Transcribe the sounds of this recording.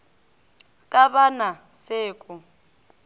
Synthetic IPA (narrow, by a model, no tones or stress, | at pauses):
kʼaβana | seːkʼu